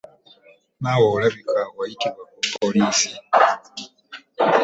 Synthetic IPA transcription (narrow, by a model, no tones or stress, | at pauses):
nawolaβikaɣajitiβwakupʰːoliːsi